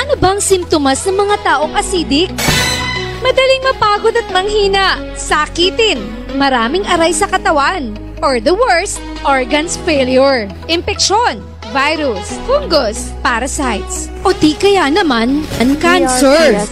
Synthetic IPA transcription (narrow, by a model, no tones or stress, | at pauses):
ʔɐnobɐɐŋsɪmt̪omɐsnɐŋmɐŋat̪aːʔo̞ŋʔɐsiːd̪ɪk̚ | mɐd̪ɐliŋmɐpaːɡod̪ɐt̪̚mɐŋhiːnɐʔ | sakiːt̪ɪn | mɐɾaːmɪŋʔɐɾajsɐkɐt̪ɐwan | ʔɔɹd̪ɐwɛɹst̪̚ | ʔoɹɡɐnsfɛjljʊɹ | ʔɪmpɛkʃon | vajɾusfuŋɡos | paːɾɐsajt̪s | ʔot̪ikɐjanɐmanɐŋkansɛɹ